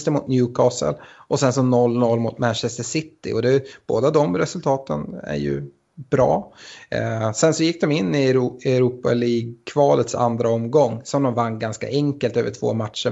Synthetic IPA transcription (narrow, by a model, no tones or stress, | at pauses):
st̪əɾmʊt̪njʉːkʰɑːsə̰lʔɔsɛnsɔnɔlːnɔlːmʊt̪mænʃɛst̪əʂɪt̪ːɪ̰ʔɔd̪ɛb̥o̰ːd̪ad̪ɔmɾɛsɵlt̪ʰɑːt̪ənæ̰ɾjɵ̰ | b̥ɾɑ̰ː | sɛnsɔjɪkːd̪ɔmɪnːɪɛɾuːpa̰liːɡ̚kʰvɑːlət̪sa̰nd̪ɾaɔmɡɔŋːsɔmd̪ɔmvanːɡanska̰ʔɛŋkəlt̪øːvəʈʰv̥o̰ːmat̪ʂə